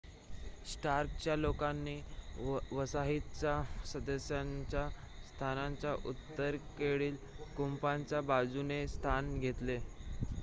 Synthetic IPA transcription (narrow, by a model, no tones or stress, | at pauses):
sʈaɾkt͡ɕjalokanːiː | ʋəsaɦit̪t͡sasəd̪əsjaɲt͡ɕja | st̪ʰanaɲt͡ɕjaʔut̪ːəɾkeɽiːl | kumpaɲt͡ɕjabad͡zunest̪ʰanɡʱet̪le